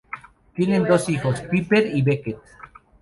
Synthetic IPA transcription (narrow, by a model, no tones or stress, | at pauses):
t̪jenend̪osixospipeɾiβeket̪̚